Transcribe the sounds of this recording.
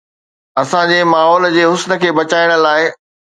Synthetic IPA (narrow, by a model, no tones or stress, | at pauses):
ɐsãd͡ʑeːmaːɦɔːld͡ʑeːɦʊsnə̆kʰeːbɐt͡ɕaːɪɽ̃ə̆laːɪ